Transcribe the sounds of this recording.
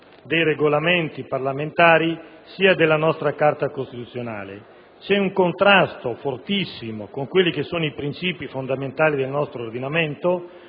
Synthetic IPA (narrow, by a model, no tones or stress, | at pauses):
d̪ejreɡolament̪iparlament̪aːɾi | siːad̪elːanɔst̪ɾakart̪akost̪it̪ut̪sːjona̰ːlḛ | t͡ʃɛuŋkont̪ɾast̪ofort̪isːimokoŋkwelːikesːoːnoipɾint͡ʃiːpifond̪ament̪aːlid̪elnɔst̪ɾord̪inament̪o